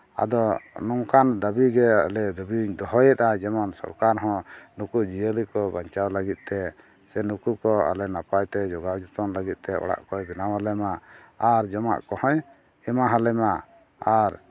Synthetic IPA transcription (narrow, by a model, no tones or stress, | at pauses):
a̰d̪ɔnɔŋkand̪abiɡɛa̰lɛd̪əbiɲd̪ɔɦɔjɛt̪̚ad͡ʒɛmɔnsɔ̰ɾkaɾɦɔ̃nukud͡ʒijəlikɔbaɲt͡ʃawləɡit̪̚ˀt̪ɛ | sɛnukukɔa̰lɛnapajt̪ɛd͡ʒɔɡawd͡ʒɔt̪ɔnləɡit̪̚t̪ɛʔɔ̰ɽa̰ʔkɔjbɛnawalɛmaː | ɾd͡ʒɔma̰ʔkɔhɔ̃j | ɛmaɦalɛma | aɾ